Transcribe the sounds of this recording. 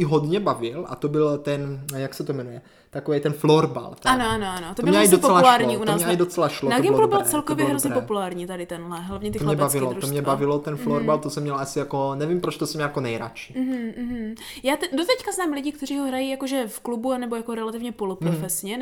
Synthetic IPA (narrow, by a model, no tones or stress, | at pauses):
ɪɦodɲɛbavɪlʔa̰t̪obɪlt̪ɛnjaksɛt̪omɛnujɛ | t̪akovɛjt̪ɛnfloɾba̰lt̪ɛanoanoanot̪oboɪlmɲɛasdopoɛlalaːɾɲɲiːunaːsɛadot͡sɛlaʃlonaɡɪmblobɪlt͡sɛlkovjɛɦɾozɲɛpopulaːɾɲiːt̪adɪt̪ɛnɦlɛɦlavɲɛt̪ɪlmɲɛbavɪlotɾuomɲɛbavɪlot̪ɛnfloɾbalt̪osɛmɲɛlasɪjakonɛvimpɾot͡ʃt̪osɛmɲɛjakonɛjɾa̰t͡ʃi̥m̩ɦ̩ːɦm̩ | jaːt̪ɛdot̪ɛckaznaːmlɪɟɪkt̪ɛr̝iːɦoɦɾajijakoʒɛfklubuanɛbo̞jakoɾɛlat̪ɪvɲɛpolopɾofɛsɲɛ